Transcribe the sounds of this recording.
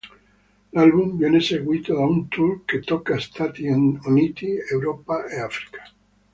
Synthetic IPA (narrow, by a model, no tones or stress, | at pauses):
lalβumbje̞ne̞se̞ɣwit̪oðaunt̪ulke̞t̪okaest̪ʰat̪jononit̪iewɾopaʔeafɾi̥kḁ